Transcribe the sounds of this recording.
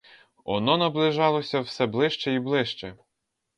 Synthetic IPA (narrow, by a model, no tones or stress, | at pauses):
ɔ̰nɔnɐblˠɪʒɑlˠɔsʲɐwsɛblˠɪʃt͡ʃɛiblˠɪʃt͡ʃɛ